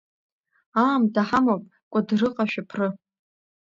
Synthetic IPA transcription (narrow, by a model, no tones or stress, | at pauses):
aːmdaħamopʼ | kʷʼadrɨqʼaʃᶣapʰrɨ